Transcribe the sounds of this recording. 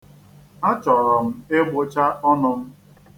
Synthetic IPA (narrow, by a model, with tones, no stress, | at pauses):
a˦t͡ʃɔ˨ɾɔ˨m̩˦ɪ˦ɡ͡bʊ˦t͡ʃa˦ɔ˦nʊ˨m̩˦